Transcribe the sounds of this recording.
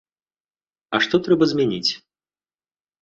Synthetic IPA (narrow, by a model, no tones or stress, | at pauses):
ɐʂt̪ɔt̪ɾɛbɐzʲmʲɛnʲit͡sʲ